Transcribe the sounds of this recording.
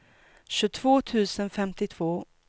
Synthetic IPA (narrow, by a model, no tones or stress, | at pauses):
ɕɵ̟t̪ʰv̥oːt̪ʰʉ̟ːsənfɛmt̪ɪt̪ʰv̥oː